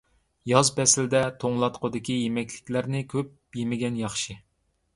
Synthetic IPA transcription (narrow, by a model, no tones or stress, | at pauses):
jɑzpɛsɪld̪ɛt̪ʰoŋlˠɑt̪qʰəd̪ɨkʲijemɛkʲlɪ̥kʲlæɾnɪkʲʰøp | jemɪɡʲɛnjɑχʃɨ